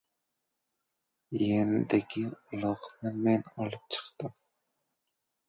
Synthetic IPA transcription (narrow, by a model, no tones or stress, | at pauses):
jenɪd̪ɪkʲʰiulˠɑχnɨmɛnɑlˠɨp̚t͡ʃʰə̥qt̪ɨm